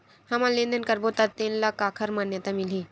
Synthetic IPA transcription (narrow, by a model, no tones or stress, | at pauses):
hɐmalẽnd̪ənkɐɾbot̪at̪eːnlɐkaːkʰəɾmaːnjət̪amili